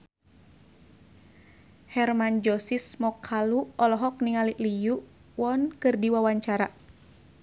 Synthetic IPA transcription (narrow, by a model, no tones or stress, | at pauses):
hɛrmand͡ʒɔsismɔkʰaluɔlɔɦɔk̚niŋaliʔlijuʔ | wɔnkɨrdiwawaɲt͡ʃaɾa